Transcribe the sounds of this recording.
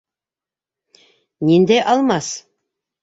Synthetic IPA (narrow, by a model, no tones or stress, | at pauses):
nind̪ejʔɑlˠmɑs